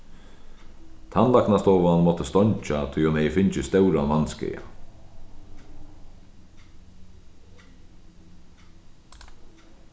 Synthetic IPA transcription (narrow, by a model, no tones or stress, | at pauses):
t̪ʰanlaknast̪ɔːʋanmɔt̪əst̪ɔɲt͡ʃat̪ʰʊjɔmɛjəfɪɲt͡ʃɪst̪œwɾanvanskɛ̰ja̰